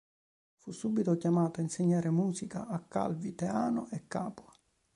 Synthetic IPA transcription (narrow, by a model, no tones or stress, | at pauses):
fusːuːbːit̪okjamaːt̪ainseɲːaːɾemuːsika̰ʔːkːa̰lvit̪eaːnoʔɛkːaːpwa